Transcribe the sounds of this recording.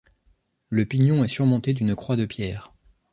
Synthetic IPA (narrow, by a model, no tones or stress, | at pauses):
ləpiɲjɔ̃ɛsyʁmɔ̃t̪ed̪ynkχwad̪əpjɛːʁ